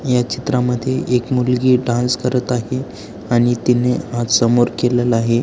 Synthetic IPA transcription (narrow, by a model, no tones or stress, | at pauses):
jat͡ɕit̪ɾaməd̪ʱːjeʔekmulɡiːɖãskəɾət̪aɦe | aɽ̃it̪ineat̪səmoɾkelelaɦe